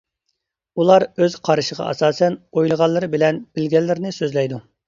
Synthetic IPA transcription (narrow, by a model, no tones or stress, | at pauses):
ulˠɑɾøz̥qʰɑɾɨʃəʁɑ̰ʔɑ̰sɑːsɛnojlˠəʁɑlˠːɨɾɨbɪlɛnb̥ɪlɡʲɛlːɪɾnɪsøzlɛjd̪u